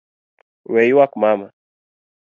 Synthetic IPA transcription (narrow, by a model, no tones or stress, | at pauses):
wejwakmama